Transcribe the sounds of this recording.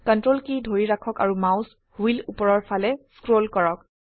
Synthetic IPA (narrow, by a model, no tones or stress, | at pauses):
kɔntɹolkidʱoɹiɹakʰɔka̰ɹumãws | huilupɔɹɔɹpʰalɛskɹolkɔɹɔk̚